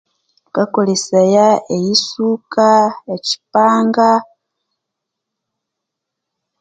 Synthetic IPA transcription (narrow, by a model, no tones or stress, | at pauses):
kakolesajaejisukaeci̥paːŋɡa